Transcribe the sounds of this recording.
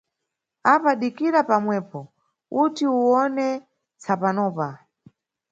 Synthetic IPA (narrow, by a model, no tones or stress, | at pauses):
apaɗikiɾapamwɛːpɔ | utiuwɔnɛ | t͡sapanɔːpa